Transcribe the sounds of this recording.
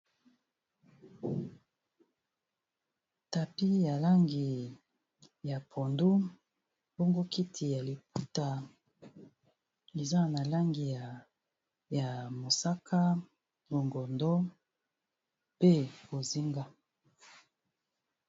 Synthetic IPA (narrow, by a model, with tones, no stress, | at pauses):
ta˨pi˦ja˨la˦ŋɡi˨ | ja˨pʰo˨ndu˦ | bo˦ŋɡo˦kʰi˦tʰi˨ja˨li˨p̚u˦ta˨ | e˨za˦na˨la˦ŋɡi˨ja˨ | ja˨mo˨sa˦kʰa˦ | bo˨ŋɡɔ˨ndɔ˦ | pe˦bo˨zi˦ŋɡa˦